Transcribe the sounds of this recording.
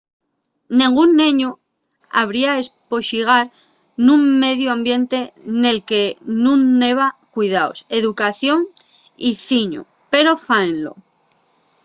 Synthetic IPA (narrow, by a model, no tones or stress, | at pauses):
nĩŋɡunːẽɲo | a̰β̞ɾiae̞spo̞ʃiɣ̞aɾ | nũŋme̞ðjoãmbje̞nt̪e̞ne̞lke̞nũnːe̞β̞akwuijðao̰se̞ðukaθjo̞ŋ | iθiɲo̰ | pe̞ɾo̞faenlo̞̰